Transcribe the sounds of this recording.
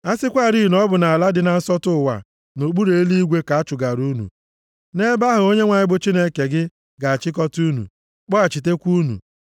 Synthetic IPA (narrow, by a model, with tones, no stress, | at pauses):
a˦sɪ˦kʷa˦˨ɾi˦i˨nɔ˦bʊ˨na˨a˨la˦dɪ˨na˨n̩˦sɔ˦tʊ˦˨wa̰˨ | no˨k͡pu˦ɾe˨˦li˦i˦ɡʷe˦ka˨a˦t͡ʃʊ˨ɡa˨ɾu˦nṵ˨ | ne˦ba˦ɦʊ˨o˦ɲe˦ŋʷa˨ɲɪ˦bʊ˨t͡ʃi˦ne˦ke˨ɡɪ˦ | ɡa˨a˨t͡ʃɪ˦k̬ɔ˦tu˦nṵ˨ | k͡pɔ˦a˨t͡ʃi˨t̬e˦kʷu˦nṵ˨